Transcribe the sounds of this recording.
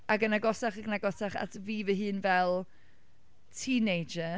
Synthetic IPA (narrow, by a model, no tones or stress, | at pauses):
aɡənaɡɔsaχaɡnaɡɔsaχa̰tʰviːvɨɦɨːnvɛlˠ | tʰiːnejd͡ʒə